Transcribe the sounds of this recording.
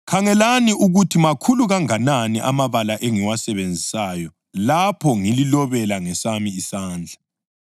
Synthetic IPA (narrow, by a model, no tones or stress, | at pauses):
kʰaŋɛlaniuɣutʰimakʰuluɣaŋananiʔamaβalaʔeŋiwasɛβend͡zʱisajɔ | lapʰɔŋililɔβɛlaŋɛsamiːsaːnd͡ɮʱa